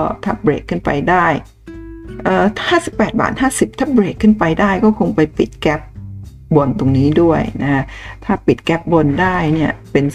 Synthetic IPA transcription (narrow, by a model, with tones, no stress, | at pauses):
ɔ˥˩t̪ʰa̰˦˥˩p̚bɾeː˨˩kʰːɯ˥˩npa̰˧jdaː˥˩j | ʔɤː˨˩haː˥˩si˨˩pːɛː˨˩t̪̚ba̰ː˨˩t̪̚haː˥˩si˨˩p̚t̪ʰaː˥˩bɾeː˨˩kʰːɯ˥˩npa˧jdaː˥˩jkɔː˥˩kʰo˧ŋpa˧jpi˨˩t̪̚kɛ˦˥p̚ | bo˧nt̪o˧ŋniː˦˥du˥˩əjna˦˥kʰa˦˥t̪ʰaː˥˩pi˨˩t̪̚kɛ˦˥p̚bo˧ndaː˥˩jni˥˩ɐpe˧n